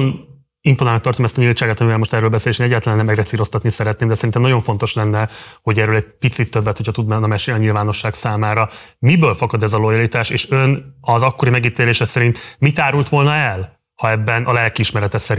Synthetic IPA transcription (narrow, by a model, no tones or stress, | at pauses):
n | imponaːlnkt̪ɒrt̪omɛst̪ɒɲilt͡ʃaːɡɔt̪ɒmivɛlmoʃt̪ɛrːøːlbɛseːleʃeːnɛɟːaːt̪ɛlɛnɛmːɛɡrɛt̪siːɾo̞st̪ɒt̪nisɛɾɛt̪neːmd̪ɛsɛɾint̪ɛmnɒɟoɱfo̞n̪t̪o̞ʃlɛnːɛho̞ɟɛɾøːlɛɟ̚pit̪sit̪ːøbːɛt̪hocʰɒt̪ud̪nmanɒmɛʃeːlɒɲilvaːno̞ʃːaːksaːmaːɾɒmibøːlfɒkɒd̪ɛzɒlo̞jɒlit̪aːʃeːʃønɒzɒkːo̞ɾimɛɡiːt̪eːleːʃɛsɛɾint̪mit̪aːɾult̪ʋo̞lnɒɛl | hɒɛbːɛnʔɒlɛlkiiʃmɛɾɛt̪ɛsɛɾi